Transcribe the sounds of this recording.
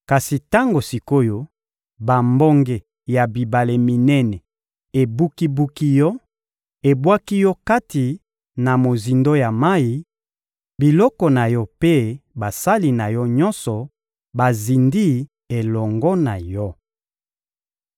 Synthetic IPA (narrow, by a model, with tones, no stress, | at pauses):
ka˨si˨ta˦ŋɡo˨si˨ko˦jo˦ | ba˨mbɔ˦ŋɡe˨ | ja˨bi˨ba˨le˨mi˨nɛ˦nɛ˨ | e˨bu˦ki˦bu˦ki˦jɔ˦ | e˨bwa˦ki˦jɔ˦ka˦ti˨ | na˨mo˨zi˨ndo˦ja˨ma˦i˦ | bi˨lɔ˦kɔ˨na˨jɔ˦pe˦ba˨sa˦li˨na˨jɔ˦ɲɔ̃˦nsɔ˨ | ba˨zi˨ndi˦ | e˨lɔ˨ŋɡɔ˦na˨jɔ˦